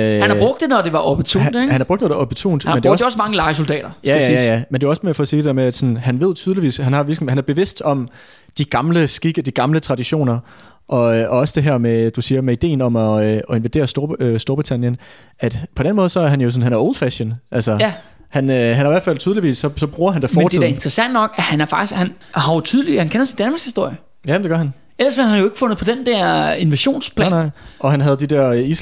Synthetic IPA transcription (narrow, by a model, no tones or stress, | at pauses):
øhænɑbʁɔɡ̥̚d̥nɒd̥e̝ʋɑ̈ʔɒb̥t͡sʰṵd̥hænæɑb̥ʁɔɡ̥̚nɔːdɒ̽b̥ət͡sʰṵːnd̥mend̥eɒdjɒsmɑ̈ŋəlɑ̈ɪsoldɛ̰ːɾ̥ɐjæjjjæmend̥e̝ɒ̽smefɒ̽siːdeeɐmeæd̥sɔ̽nɦænʋe̝ð̞̰ˠt͡sʰyːð̞ˠliʋḭːshænhɑ̈ʋilɡ̥m̩hænæɐb̥e̝ʋe̝sd̥ɒ̽m | d̥iɡ̥ɑ̈mləsɡ̥iɡ̥əd̥iɡ̥ɑ̈mlət͡sʰʁɑ̈d̥iɕo̝̰ːnɐ | ʔɒ̽ʔɒ̽ɒ̽səd̥e̝ɦæɐmed̥usiːɐmeid̥e̝̰ːnɒ̽mɒɒe̝nʋid̥e̝̰ːɐsd̥o̝ɐøsd̥o̝ɐb̥ʁit͡sʰænjən | æd̥pʰɒ̽d̥enmɔð̩ˠsɒ̽æɐɦænjo̝sɔ̽n̩ɦænæɐo̰ʊlˠd̥fæɕənʔælsə | hænøɦænæɑiʋæɐfæl̰t͡sʰyðˠliʋḭːsːɒ̽sɒ̽b̥ʁuːɐhænd̥æfɒːt͡sʰeð̰æɐe̝nd̥ʁɐsæn̰d̥nɒ̽ɡ̥æhænæɐfɑ̈ɡ̥ishæn | hɑ̈jo̝t͡sʰyð̞ˠlihænkenɐsindænmɑ̈shisd̥o̝ɐ̰jə | jæmd̥eɡ̥ɶɐhæn | elɐsmhhænjoe̝ɡ̥fɔ̽nð̩ˠpʰɒ̽d̥end̥ɛɐ̰e̝nʋæɕo̝̰ːnspʰlɛːnɑɪʔɒ̽ɦænɦæð̞̩ˠd̥id̥ɛɐis